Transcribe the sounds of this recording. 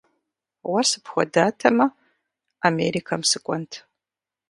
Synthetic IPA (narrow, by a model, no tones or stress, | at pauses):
wɐsɨpxʷɔdaːtʰɐmɐ | ameːɾikʰɐmsɨkʷʼɔntʰ